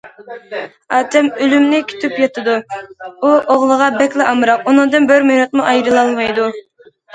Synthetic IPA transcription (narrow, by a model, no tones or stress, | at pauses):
ɑːt̪ʰɛmølymnɪkʲʰy̥t̪ʰypjɑt̪ʰɨd̪uuʔoʁlˠəʁɑbɛkʲlɪʔɑmɨɾɑqunɨŋd̪ɨnbøɾmynut̪muʔɑjɾɨlˠɑlˠmɑjd̪u